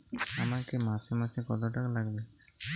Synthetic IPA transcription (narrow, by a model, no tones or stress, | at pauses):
amakemasimasikɔt̪ɔʈaklaɡbe